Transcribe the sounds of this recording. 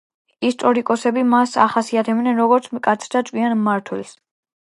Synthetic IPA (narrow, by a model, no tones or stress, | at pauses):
ist̪ʼɔɾikʼɔsɛbimasa̰χasiat̪ʰɛbnɛnɾɔɡɔɾt̪sʰmkʼat̪sʰɾd̪at̪sʼwianmaɾt̪ʰwɛls